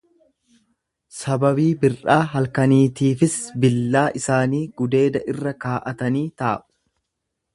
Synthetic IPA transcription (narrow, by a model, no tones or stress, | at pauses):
sɐbɐβiːbɪrʔaːɦɐlkɐniːt̪iːfɪsbɪlːaːʔɪsaːniːɡ̥ʊd̪e̞ːd̪ɐʔɪrːɐkaːʔɐt̪ɐniːt̪aːʔʊ̥